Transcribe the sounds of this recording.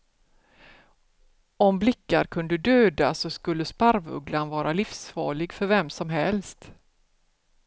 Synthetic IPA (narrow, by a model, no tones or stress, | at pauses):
ɔmblɪkːa̰ɾkʰɵnd̪əd̪øːd̪asɔskɵlːəspaɾvɵ̰ɡlanvɑːɾalɪfsfɑ̰ːɭɪɡfœɾvɛmsɔmɦɛlst̪